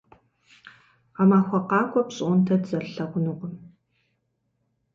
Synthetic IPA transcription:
qamaːxʷɔqɑːkʷʼɔpɕʼʔʷʊntʰɐdzɐrɬɐʁʷʊnuqəm

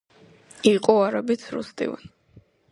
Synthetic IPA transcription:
iqʼuaɾɔbit̪sʰɾṵst̪ʼḭvṵn

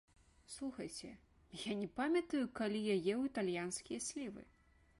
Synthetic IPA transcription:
slˠuxɐjt͡sʲɛ | janʲɛpamʲɐt̪ɐjukalʲijajɛwit̪alʲjanskʲijɐsʲlʲivɨ̰

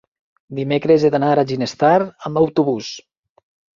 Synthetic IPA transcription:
d̪imekɾezed̪anaɾaʒinest̪aɾəmbawt̪uβus

